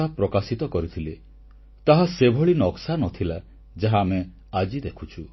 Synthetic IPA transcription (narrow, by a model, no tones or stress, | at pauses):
apɾɔkasit̪ɔkɔɾit̪ʰile | t̪aɦasebʱɔɭinɔksanɔt̪ʰila | d͡ʒaɦaːme | ad͡ʒid̪ekʰut͡ʃʰu